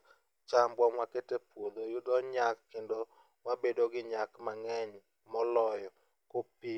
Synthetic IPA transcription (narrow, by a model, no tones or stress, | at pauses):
t͡ʃambwɔmwaketepwod̪ojʊd̪ɔɲakːendo | wabedoɡɪɲakmaŋɛɲ | mɔlɔjɔ | kopi